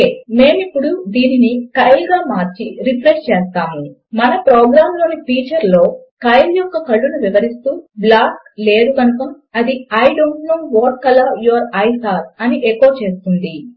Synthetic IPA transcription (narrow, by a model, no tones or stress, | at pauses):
eːme̞ːmipːuɽud̪iːninikɐjlɡaːmaːɾt͡ʃiɾipʰɾeʂt͡ʃeːst̪aːmu | mɐnɐpɾoːɡɾaːmlo̞ːnipiːt͡ʃɐɾlo̞ːkɐjljɔkːɐkɐɭːunuʋiʋɐɾist̪uːblaːk | le̞ːɾukɐnukɐm | ɐd̪iɐjɖoːɳʈnoːʋoːɾkːɐlajuɐɾɐjsaːɾɐniʔekːo̞ːt͡ʃe̞ːst̪und̪i